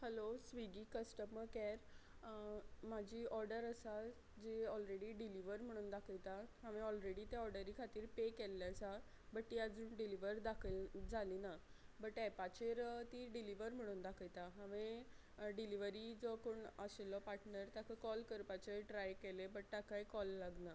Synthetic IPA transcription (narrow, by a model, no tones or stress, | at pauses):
həlosʋiɡiːkəsʈəməɾkɛɾ | m̤ad͡ʑʱiːɔɾɖəɾəsa | d͡ʑeɔlɾeɽiːɖiliʋəɾm̤əɽ̃uːnd̪akʰəjt̪aɦaʋeɔlɾeɽiːt̪eɔɾɖəɾikʰat̪iːɾpekelːasa | bəʈt̪iad͡zuːnɖiliʋəɾd̪akʰəld͡zʱaliːnabəʈɛpat͡ɕeɾt̪iːɖiliʋəɾm̤əɽ̃uːnd̪akʰəjt̪aɦãʋẽ | ɖiliʋəɾid͡zɔkoɳəɕelɔpaʈnəɾt̪akʰəkɔlkəɾpat͡ɕeʈɾajkelebəʈ̚t̪akʰajkɔlːaɡna